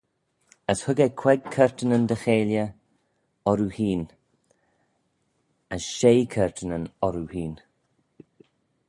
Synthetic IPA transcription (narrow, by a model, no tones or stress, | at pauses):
əshʊɡɛkʰw̥ɛɡ̚kʰɛɹt̪ənənd̪əxeːljə | ɔɾuhiːn | əsʃejkʰɛɹt̪ʰənənɔɾuhiːn